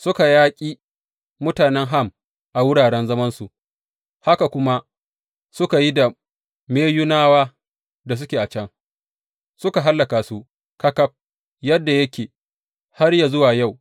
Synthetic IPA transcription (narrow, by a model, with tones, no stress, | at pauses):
sʊ˦ka˨jaː˦kʲʼiː˦ | mʊ˦taː˨nɛ˦ŋɦa˦˨m | ʔa˨wʊ˦ɽaː˨ɽɛ˦nzɐ˦mɐ˦nsu˨ʔ | ha˦ka˨kʷʊ˦ma˦ | sʊ˦ka˨ji˦da˨ | meː˦ju˦naː˦waː˦ | da˨s̬ʊ˦kʲeː˨ʔa˨t͡ʃɐ˦ŋ | sʊ˦ka˨ɦa˦lːa˨kaː˨su˦ | kɐ˦kɐ˦p̚ | jɐ˦dːa˨jɐ˦kʲeː˨ | ha˦rja˨zʊ˦waː˨ja˦˨w